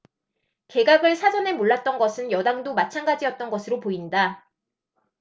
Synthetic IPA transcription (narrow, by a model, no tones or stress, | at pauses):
ke̞ɡaɡɯɭsʰad͡ʑʌne̞moɭːat̚t͈ʌnɡʌsʰɯnjʌdaŋdomat͡ɕʰanɡad͡ʑijʌt̚t͈ʌnɡʌsʰɯɾopoinda